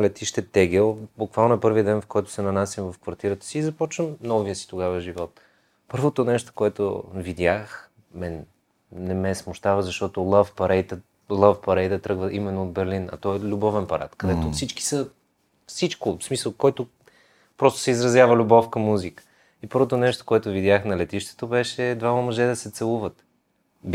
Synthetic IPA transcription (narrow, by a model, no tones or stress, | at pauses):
lɛt̪iʃt̪ɛt̪ɛɡɛlˠbukvalˠnoɛpɤɾviəd̪ɛnfkɔjt̪ʊ̥sɛnɐnasjəmvɐfkvɐɾt̪iɾət̪ə̥siːzɐpɔt͡ʃvəmnɔviəsi̥t̪oɡavəʒivɔt̪ | pɤɾvot̪onɛʃt̪o̥koɛt̪o̰vid̪ʲjax | mɛnː | ɛmɛsmʊʃt̪avəzɐʃt̪ɔt̪olˠafpɐɾɛjt̪ə | lˠafpɐɾɛjd̪ɐt̪ɾɤɡvəʔimɛnːoːd̪̚bɛɾlinɐ̰t̪ɔɛlʲubɔvɛnpɐɾa̰t̪kɐd̪ɛt̪ofsit͡ʃki̥sə | fsit͡ʃkosmisəlˠkoɛt̪o | pɾɔst̪o̥sɛizɾɐzjavəlʲubɔfkəmuzikə̥ | ipɤɾvot̪onɛʃt̪o̥koɛt̪ovid̪ʲjaxnɐlɛt̪iʃt̪ɛ̥t̪obɛʃɛd̪vamɐmɐʒɛd̪ɐsɛt̪sɛlˠuvət̪ | b